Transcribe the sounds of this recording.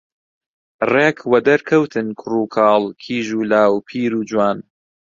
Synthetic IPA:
reːkʰwɐd̪ɐɾkʰɐwt̪ʰɨnkʰʊruːkʰɑːlˠkʰiːʒuːlaːwpʰiːɾuːd͡ʒwaːn

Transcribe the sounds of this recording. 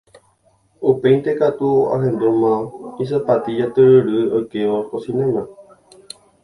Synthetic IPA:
upe̞jnt̪e̞kat̪ua̰ɦẽ̞nd̪umãis̬apat̪id͡ʒat̪ɨɾɨɾɨokeoosĩnẽmã

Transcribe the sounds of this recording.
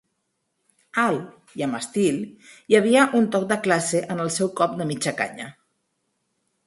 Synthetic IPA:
al | jəməst̪iljəβ̞iəʔunt̪ɔk̚d̪əklaseʔənəlˠsɛwkɔp̚d̪əmit͡ʃəka̰ɲə̰

